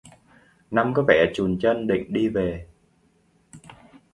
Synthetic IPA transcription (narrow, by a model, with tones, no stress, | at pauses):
na˧mkɔ˨˦vɛ˧˩t͡ɕu˨˩nt͡ɕə˧nɗḭ˧˨ŋ̟ɗi˧ve˨˩